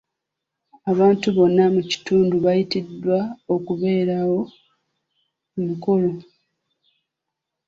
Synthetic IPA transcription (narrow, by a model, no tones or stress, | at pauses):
aβaːntuβo̞nːamuci̥tuːnduβajitidwaokuβe̞ːɾawo̞ | umuko̞lo̞